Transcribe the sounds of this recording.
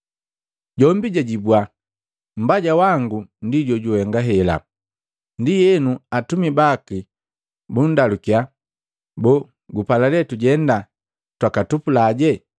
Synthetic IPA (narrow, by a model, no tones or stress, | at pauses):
ɟɔmbiɟaɟibwa | m̩baɟawaŋɡundiɟɔɟuhɛŋɡaɦɛla̰ | ndijɛnuatumibaki | bundalukia | bɔ | ɡupalalɛtuɟɛnda | twakatupulaːɟɛ